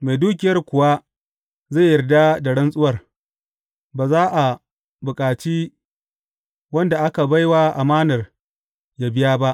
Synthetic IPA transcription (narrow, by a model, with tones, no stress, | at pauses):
ma˨jduː˦k̬ʲɪ˨jɐ˦rkʷʊ˨wa˦ | za˦˨jːɐ˨rda˦da˨ɽɐ˦nsʼʊ˦wɐ˦˨r | baː˨zaː˦ʔa˨ | bʊ˨kʼaː˨t͡ʃi˦ | wɐ˦nda˨ʔa˦ka˨ba˦jwa˦ʔa˨maː˦nɐ˨r | ja˦bɪ˦jaː˦ba˦ʔ